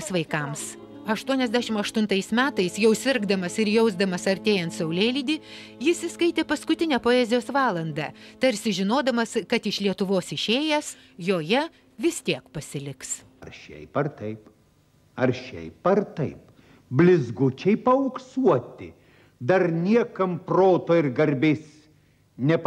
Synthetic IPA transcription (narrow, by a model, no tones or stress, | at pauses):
sʋɐɪkɐms | ɐʃt̪uɔnʲɛzʲd̪ʲæːʃʲɪmɐʃt̪ʊnt̪ɐɪsmʲæːt̪ɐɪsjɛʊsʲɪɾɡd̪ɐmɐsɪɾjɛʊzd̪ɐmɐsɐɾʲt̪ʲeːjɛnt̪sɐʊlʲeːlʲid̪ʲiː | jɪsʲɪskɐɪt̪ʲeːpɐskʊt̪ʲɪnʲɛpoːɛːzʲɪjoːsʋɑːlˠɐnd̪ɐt̪ɐɾʲsʲɪʒʲɪnoːd̪ɐmɐskɐt̪ɪʃlʲiɛt̪ʊʋoːsɪʃʲeːjɛs | joːjɛ | ʋʲɪst̪ʲiɛkpɐsʲɪlʲɪks | ɐɾʃʲɛ̰ɪpɐrt̪ɐɪp | ɐɾʃʲɛ̰ɪpɐɾt̪ɐɪp̚ | bʲlʲɪzɡʊt͡ʃʲɛɪpɐʊksuɔt̪ʲɪ | d̪ɐɾnʲiɛkɐmpɾoːt̪oːɪɾɡɐɾʲbʲeːs | nʲɛp